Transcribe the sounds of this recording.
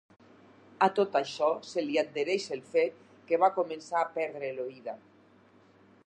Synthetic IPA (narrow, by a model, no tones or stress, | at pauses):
at̪ot̪aʃɔseliad̪̚d̪eɾeʃelfet̪̚ | keβakomẽnsaːpɛɾðɾeloiða